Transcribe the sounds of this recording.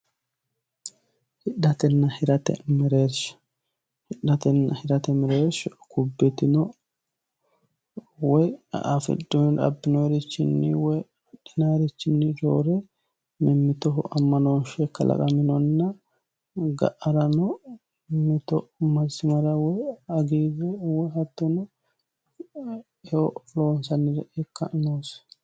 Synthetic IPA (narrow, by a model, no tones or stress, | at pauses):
hɪɗɐt̪ɛnːɐhɪɾɐt̪ɛ̰mɛɾeːɾʃ | hɪɗːɐt̪ɛnːɐhɪɾɐt̪ɛmɛɾeːɾʃkʊbːɛt̪ɪnɔ | wɔjʔafɪ̰dːɔɾɐ̰bːɪnɔɾɪt͡ʃːɪnːɪwɔj | ɐᶑɪnaɾɪt͡ʃːɪnːɪd͡ʒo̰ːɾɛ | mɪmːɪt̪ɔɦʔɐmːɐnonʃɛkːɐlʔɐ̰kʼɐmɪnɔnːɐ | ɡɐ̰ʔɐɾɐnɔ | mɪt̪ɔmɐzɪmɐɾɐwɔjɐɡiːzɛwɔjɦɐt̪ːɔnɔ | ɔlo̞ːnsɐnːɪɾɛʔɛkːɐnoːs